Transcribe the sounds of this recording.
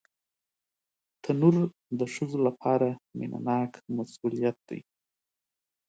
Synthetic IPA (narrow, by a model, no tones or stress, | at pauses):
t̪ʰanuɾ | d̪əʃəzolapʰɑɾamɪ̰nʔa̰nɑkmasulijat̪̚d̪̥a̰j